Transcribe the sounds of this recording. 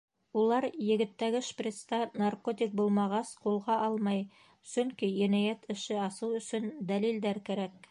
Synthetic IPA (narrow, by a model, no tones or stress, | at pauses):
ulˠɑɾjɘ̆ɡɘ̆t̪ːæɡɘʃprʲet̪st̪ɑnarkot̪ʲik̚bulˠmɑʁɑsqulˠʁɑʔɑlˠmɑj | sɵŋkijæ̆næjæt̪ʰɘ̆ʃɘɑsɤwɵ̆sɵnd̪ælild̪æɾkæɾæk̚